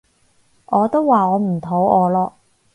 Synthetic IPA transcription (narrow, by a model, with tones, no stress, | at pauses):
ʔɔː˨˧t̪o˥wːaː˨ɔː˨˧m̩˨˩t̪ʰo˨˥wɔː˨˧lɔː˧